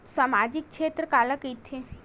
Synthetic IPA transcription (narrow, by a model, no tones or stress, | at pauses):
saːmaːd͡ʒɪk̚ʰʃʰeːt̪ɾəkaːlakət̪ʰe